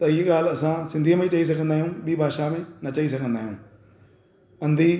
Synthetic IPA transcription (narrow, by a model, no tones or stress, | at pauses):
t̪ɐiɦɠaːl̤ɐsãsɪ̃nd̪ʱimẽt͡ɕɐis̬ɐɡʱə̃nd̪aːɦijũɓiːbʱaːʃamẽnɐt͡ɕɐisɐɡʱə̃nd̪aːɦijũː | ɐ̃nd̪ʱiː